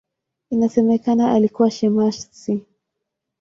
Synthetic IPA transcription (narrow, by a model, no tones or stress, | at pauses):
inasɛmɛkanaʔalikuwaʃɛmaʃsi